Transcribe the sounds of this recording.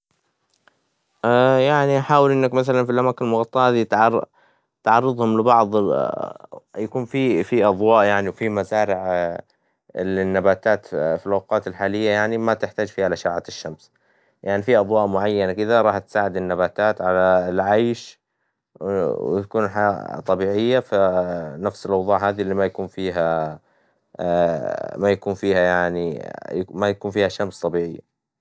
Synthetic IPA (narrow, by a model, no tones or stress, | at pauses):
ʔajaʕniʔaħaːwɪlʔɪnːakmaθalanfilʔamaːkɪnlmʊɣɑt̪ˤːɑʔhaːðit̪ʕ | t̪ʕɑrˤːɨd̪ˤhʊmlɪbɑʕðˤ | jakuːnfifiʔɑðˤwɑːʔjaʕniwfimazaːɾɪʕ | lɪnːabaːt̪aːt̪filʔawqɑːt̪ɪlħaːlɪjːajaʕnimat̪ɪħt̪aːd͡ʒfiːhalʔaʃaʕat̪ɪʃːams | jʔaʕnifiʔɑðˤwɑːʔmʊʕajːanakɪd̪aɾˤɑːħt̪saːʕɪd̪ɪnːabaːt̪aːt̪ʕalalʕajʃ | w̰t̪akuːnħaat̪ˤːɑbiːʕɪjːafanafsɪlʔɑwðˤuːʕɦaːðilːiːmajakuːnfiːɦa | majakuːnfiːhajaʕni | majakuːnfiːhaʃamst̪ˤɑbiːʕɪjːa̰